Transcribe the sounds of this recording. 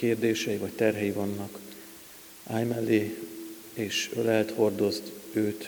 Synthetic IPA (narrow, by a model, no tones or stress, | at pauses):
keːrd̪eːʃɛjivɒc̚t̪ɛrɦɛjivɒnːɒk | aːjmɛlːe | eːʃølɛlt̪ho̞rd̪o̞zt̪øːt̪